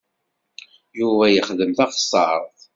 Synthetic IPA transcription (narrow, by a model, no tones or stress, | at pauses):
juvæjəχðəmθæʁsˤɑɾˤθ